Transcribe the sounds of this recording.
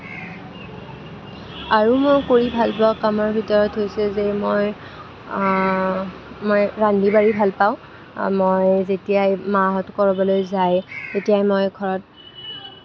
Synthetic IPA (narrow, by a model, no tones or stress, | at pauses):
aɹumojkoɹibʱalpɹakamɔɹbʱitɔɹɔtɦojsɛzemoj | mojɹandibaɹibʱalpaʊ̃ | mojzetijajmaɦɔtkɔɹɔbɔlojzajtetijajmojɡʱɔɹɔt̚